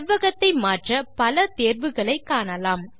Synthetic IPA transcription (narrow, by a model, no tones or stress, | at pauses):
ʋːɐɣɐt̪ːɐɪmaːʈrɐpɐlɐt̪eːɾʋɯɣɐɭɐɪkːaːɳɐlaːm